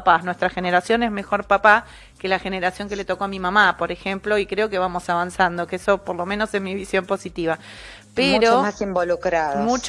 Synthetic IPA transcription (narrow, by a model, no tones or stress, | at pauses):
panwest̪ɾaxeneɾasjonezme̞xo̞ɾpapa | ke̞laxe̞ne̞ɾasjo̞ŋke̞le̞t̪o̞koamimamapo̞ɾexemplo̞ikɾeo̞ke̞βamo̞saβansand̪o̞keeso̞poɾlo̞mẽno̞sezmiβisjo̞mpo̞sit̪iβa | peɾoomasimbolukɾaomut͡ʃ